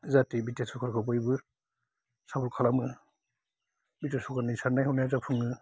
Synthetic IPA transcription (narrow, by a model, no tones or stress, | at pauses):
zatibitasukʰaɾkʰɯbɔjbɯ | sabuɾkʰalamɯ | bitasʰukanɯjsanːajhɔnajzapʰɯŋɯ